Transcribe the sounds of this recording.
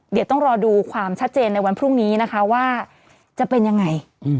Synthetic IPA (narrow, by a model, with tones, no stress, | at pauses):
di˨˦wt̪ɔ˥˩ŋɾɔː˧duː˧kʰwaː˧mt͡ɕʰa˦˥t̪̚t͡ɕeː˧nːa˧jwa˧npʰɾu˥˩ŋniː˦˥na˦˥kʰa˦˥waː˥˩ | t͡ɕa˨˩pe˧nja˧ŋːa˧j